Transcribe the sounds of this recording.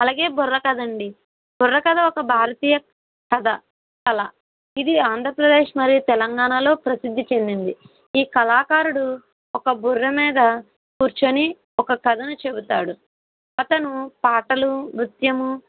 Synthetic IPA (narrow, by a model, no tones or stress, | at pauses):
ɐlaːɡe̞ːburːɐkɐd̪ɐɳɖi | bɔrːɐkɐd̪ɐɔkɐbʱaːɾɐt̪iːjɐ | kɐd̪ɐ | kɐlɐ | id̪iaːnd̪ʱɾɐpɾɐd̪e̞ːʂmɐɾijut̪ɛlɐŋɡaːɳalo̞ːpɾɐsid̪ʱːit͡ʃe̞nd̪ind̪i | iːkɐlaːkaːɾuɽu | ɔkɐburːɐmiːd̪ɐ | kuːɾt͡ʃɐni | ɔkɐkɐd̪ʱɐnut͡ʃe̞but̪aːɽu | ɐt̪ɐnupaːʈɐlumɾut̪jɐmu